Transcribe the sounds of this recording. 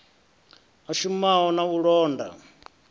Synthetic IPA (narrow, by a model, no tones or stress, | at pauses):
aʃumaɦɔnauɺɔːnda̰